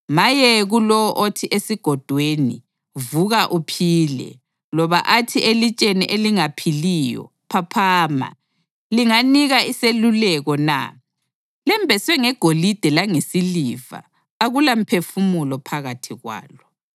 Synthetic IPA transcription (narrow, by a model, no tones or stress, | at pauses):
majɛɣulɔʔotʰiʔesiɡ̥ʱɔd̥ʱwenḭ | vuɣaʔupʰiːlɛ̰ | lɔβa̰ʔatʰiʔelit͡ʃʼeniʔeliŋapʰilijɔ̰ | pʰapʰaːma̰ | liŋaniɣaiselulɛɣɔna̰ | lɛmbʱɛswɛŋɛɡ̥ʱolid̥ʱɛlaŋesiliva̰ː | ɣulam̩pʰefumulɔpʰaɣatʰiɣwa̰ːlɔ